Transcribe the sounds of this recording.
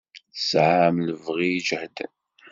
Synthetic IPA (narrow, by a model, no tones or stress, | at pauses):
θsʕamləvʁijd͡ʒəhd̪ə̰n